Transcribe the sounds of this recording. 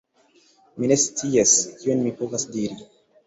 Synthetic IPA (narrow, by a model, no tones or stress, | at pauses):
mine̞st͡siaskionmipovasdiɾi